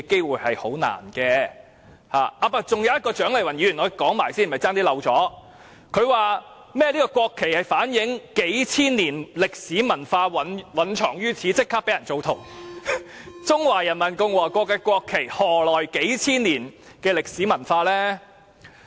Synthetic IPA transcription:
ke˥jwuː˨˩jhɐ˨jho˨˥wna̰ː˨˩nkɛː˧ | ha̰ː˨˩aː˧paː˧˥t͡sʊ˨˩ŋjɐ˨wjɐ˥t̚kɔː˧t͡ʃœː˨˥ŋle˨jwɐ˨˩njyː˨˧˩y˨˩nɔː˨˧kɔː˨˥ŋmaː˨˩jsiː˥˩nm̩˨ɐ˨˩t͡saː˥ŋt̪iː˥lɐ˨˧wt͡sɔː˨˥ | kʰɵ˨˧ɥwaː˨ | mɛː˥liː˥kɔː˧kwɔː˧kʰːe˨˩jhɐ˨jfaː˨˥njɪ˨˥ŋke˨˥jt͡sʰiː˥nːiː˨˩nlɪ˨k̚siː˨˥mɐ˨˩nfaː˧wɐ˨nwɐ˨nt͡ʃʰɔː˨˩ŋjyː˥t͡sʰiː˨˥t͡sɪ˥kʰːaː˥pe˨˥jɐ˨˩nt͡so˨wt̪ʰo˨˩w | t͡sʊ˥ŋwaː˨˩jɐ˨˩nmɐ˨˩nkʊ˧ŋwɔː˨˩kʷɔː˧kːaː˧kʷɔː˧kʰːe˨˩jhɔː˨˩lɔː˨jke˨˥jt͡sʰiː˥nliː˨˩n | kɛː˧lɪ˨k̚siː˨˥mɐ˨˩nfaː˧lɛː˥

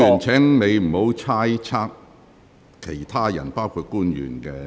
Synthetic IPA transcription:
yː˨˩nt͡sʰɛː˨˥ŋne˨˧jm̩˨˩ho˨˥wt͡sʰaː˥jt͡sʰaː˥k̚ | kʰːe˨˩jt̪ʰaː˥jɐ̰˨˩npaː˥wkʰuː˧t̚kuː˥njy̰ː˨˩nkɛː˧

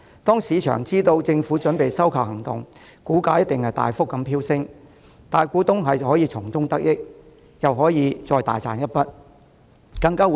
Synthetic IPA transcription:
t̪ɔː˥ŋsiː˨˧t͡ʃʰœ̰ː˨˩ŋt͡siː˥t̪o˧wt͡sɪ˧ŋfuː˨˥t͡ʃɵ˨˥npe˨jsɐ˥wkʰɐ˨phɐ˨˩ŋt̪ʊ̰˨ŋkuː˨˥kaː˧˥jɐ˥t̚t̪ɪ˨ŋhɐ˨jt̪a̰ː˨jfʊ˥kːɐ˨˧mpʰiː˥wsɪ˥ŋ | t̪aː˨˩jkʷuː˨˥t̪ʊ˥ŋɦɐ˨jɦɔː˨˥jiː˨˧t͡sʰʊ˨˩ŋt͡sʊ˥ŋt̪ɐ˥k̚jɪ˥k̚ | jɐ˨wɦɔː˨˥jiː˨˧t͡sɔː˧jt̪a̰ː˨jt͡sʰa̰ː˨˩njɐ˥t̚pɐ˥t̚ | kɐ˧ŋkaː˥˨

